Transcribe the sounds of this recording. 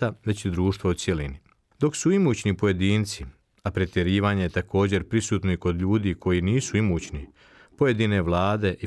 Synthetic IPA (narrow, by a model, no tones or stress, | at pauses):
aʋe̞t͡ɕid̪ɾuːʃt̪vʋaut̪sʲje̞lini | d̪o̞ksuimut͡ɕnipo̞je̞d̪iːnt̪si | apɾet̪je̞ɾiːʋaːɲe̞jet̪ako̞ːd͡ʑe̞ɾpɾisuːt̪no̞iko̞d̪ʎuːd̪iːkʰojiːniːsuimuːt͡ɕni | poje̞d̪ine̞ʋlˠaːd̪e̞ʔi